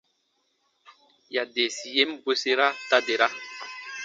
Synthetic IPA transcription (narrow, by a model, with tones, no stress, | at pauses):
ja˨de˨si˨je˦m˦bwe˦se˦ɾa˦ta˦de˨ɾa˦